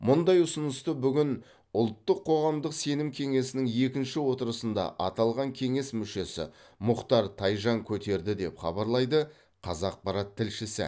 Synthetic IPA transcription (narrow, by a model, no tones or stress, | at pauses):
mʊnd̪ɑjʊsənəst̪əbʏɡʲɪn | ʊlˠt̪ːəqʰːo̞ʁɑmd̪əqse̞nɪmkʲʰe̞ŋe̞sɪnɪŋe̞kʲɪnʃɪwo̞t̪əɾəsənd̪ɑ̰ʔɑt̪ɑlˠʁɑŋkʲʰe̞ŋe̞smʏʃe̞sɪ̰mʊqt̪ɑɾt̪ʰɑjʒɑŋkʲʰɵt̪e̞ɾd̪ɪd̪e̞pχɑ̰bɑɾlˠɑjd̪ə | qʰɑzɑq̚pɑɾɑt̪ʰːɪlʃɪsɪ̰